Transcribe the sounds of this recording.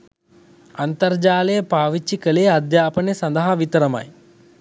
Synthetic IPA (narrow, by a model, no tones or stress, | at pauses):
ɐnt̪ɐɾd͡ʒaːlɐjɐpaːʋit͡ʃːikɐleːɐd̪jaːpɐnjɐsɐnd̪ɐɦɐʋit̪ɐɾɐmɐ̰j